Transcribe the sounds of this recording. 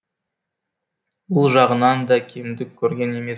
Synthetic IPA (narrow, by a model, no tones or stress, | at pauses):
bʊlˠʒɑʁənɑnd̪ɑkʲʰejmd̪ɪkʲʰːɵɾɡʲe̞ne̞me̞